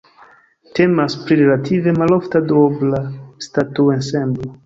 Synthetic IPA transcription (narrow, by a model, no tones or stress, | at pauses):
te̞maspɾiɾe̞latʰive̞maloftadoblastatuensemblo